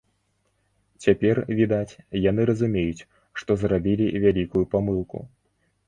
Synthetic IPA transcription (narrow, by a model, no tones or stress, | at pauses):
t͡sʲapʲɛrvʲid̪at͡sʲjan̪ɨɾɐzumʲejut͡sʲ | ʂt̪ɔzrabʲilʲivʲalʲikujupamɨlˠkṵ